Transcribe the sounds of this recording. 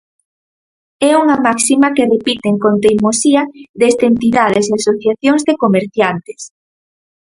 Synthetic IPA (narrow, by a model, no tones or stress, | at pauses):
ɛuŋamaksimɐkerepit̪eŋkont̪ejmosiɐðest̪ent̪iðaðes̬easoθjaθjoŋzðekomeɾθjant̪e̥s